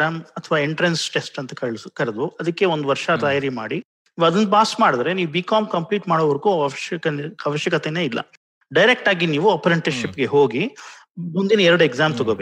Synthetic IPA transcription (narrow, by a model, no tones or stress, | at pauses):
aːmɐt̪ʰɐʋaːeɳʈɾensʈe̞sʈɐnt̪ɐkɐɭskɐɾed̪uɐd̪ɐkːe̞ond̪uʋɐɾʂɐt̪ɐjaːɾima̰ːɽi | niːʋɐd̪ɐnpaːsmaːɽid̪ɾe̞niːʋubiːkaːmkɐmpliːʈmaːɽoʋɐɾɡuː | ɐʋɐʃjɐkɐt̪ene̞ːilːɐ̰ | ɖɐjɾek̚ʈaːɡiniːʋuɐpɐɾɐɳʈɐɾʃipːɡeɦoːɡi | mund̪inɐɛɾɐɽueɡzaːmt̪ɔɡobeː